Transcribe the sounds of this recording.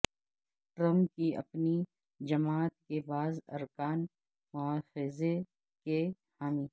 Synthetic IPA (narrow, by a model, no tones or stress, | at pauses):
ʈɾɐ̃mpkiɐ̰pni | d͡ʒɐmaːt̪̚kebaːzɐ̰ɾkaːn | mʊaːxɪze | ke | haːmiː